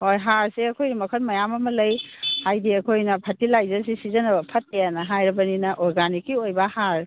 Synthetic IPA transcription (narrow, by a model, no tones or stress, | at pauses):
hojɦaɾseɐkʰojnɐmɐkʰɐt̚mɐjamɐmɐlɐjhajdiɐkʰojnɐpʰɐtilajzɐɾsisizɐnɐbɐpʰɐt̚ːejanɐɦajɾɐbɐninɐʔɔɾɡanikːiojbɐhaɾ